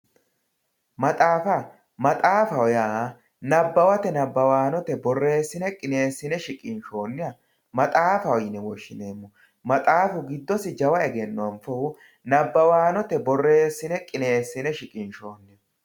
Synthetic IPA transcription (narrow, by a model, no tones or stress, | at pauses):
mɐt̪ʼaːfɐ | mɐt̪ʼaːfɐɔjaː | nɐbːɐwɐt̪ɛnɐbːɐwaːnɔt̪ɛbɔrːe̞ːsːɪnɛkʼɪne̞ːsːɪnɛʃɪkʼɪnʃo̞ːnːɪjɐ | mɐt̪ʼaːfɐɔjɪnɛwɔʃːɪne̞ːmːʊ | mɐt̪ʼaːfʊɡɪd̪ːɔsɪd͡ʒɐwɐɛɡɛnːɔwɐmfɐʊ | nɐbːɐwaːnɔt̪ɛbɔrːe̞ːsːɪnɛkʼɪne̞ːsːɪnɛʃɪkʼɪnʃo̞ːnːɪɐ